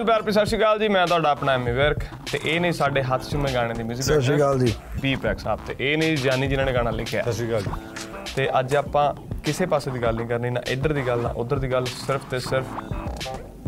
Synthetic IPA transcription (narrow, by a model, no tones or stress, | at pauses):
lpjaːɾpiːsəʃiːɡald͡ʒiːmɛ̃ːt̪ʊaːɖaːəpnaːɛːmiːʋəɾk | t̪ḛːʔeːnəĩːsaːɖeːɦət̪ʰt͡ʃʊmẽːɡaːɽ̃ẽːd̪iːmɪziːəəsiːɡəld͡ʒiː | piːpɛːksa̰ːpt̪ḛːʔeːnəĩzjaːniːd͡ʒɪnãːneːɡaːɽ̃ãːlɪkʰːja̰ːəsiːɡəld͡ʒi | t̪eːʔəd͡ʒaːpãː | kɪseːpaːseːd̪iːɡəlnĩːkəɾniːnã̰ːʔɪd̪əɾd̪iːɡəlnã̰ːʔʊd̪əɾd̪iːɡəlsɪɾpʰt̪eːsɪɾpʰ